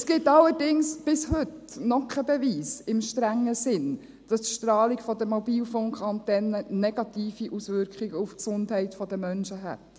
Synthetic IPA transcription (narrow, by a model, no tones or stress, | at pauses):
sɡ̥ɪtːɑlːəɾdɪŋsb̥ɪshʏt | nɔkʰɛbɛviːsɪmʃtɾæŋːəsɪn | d̥ɑst̪ʃtɾɑːlikfɔdəmɔbiːlfɔŋkχɑntɛnːənɛɡ̥ɑt̪iːfiʔusʋʏɾkʰχiɡəufksʊndɦɛɪtfɔdəmœnʃəɦɛ̰t